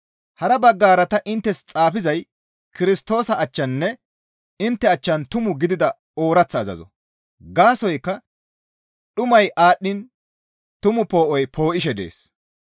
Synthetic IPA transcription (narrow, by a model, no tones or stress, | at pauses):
hɐɾɐbɐɡːaːɾɐt̪ɐʔɪnt̪ːɛst͡sʼaːfɪzɐj | kɪɾɪst̪o̞ːsɐɐt͡ʃːɐnːɛ | ɪnt̪ːɛɐt͡ʃːɐnt̪ʊmʊɡɪd̪ɪd̪ɐ | o̞ːɾɐt͡sːɐːzɐ̰zɔ̰ | ɡaːsɔjkːɐ | ɗʊmɐjʔaːɗːɪn | t̪ʊmʊpo̞ːʔɔjpʰoːʔɪʃ̬ɛd̪ḛːs